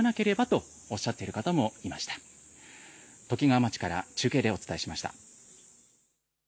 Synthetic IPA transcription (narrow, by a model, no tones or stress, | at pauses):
nake̞ɾe̞bat̪o̞ | oɕːat̪ːe̞iɾɯ̟kat̪amo̞imaɕi̥t̪ḁ | t̪o̞kʲiɡaːmat͡ɕi̥kaɾa̰t͡ɕɨːke̞ːd̪e̞o̞t͡sɨ̥t̪aeɕimaɕi̥t̪a̰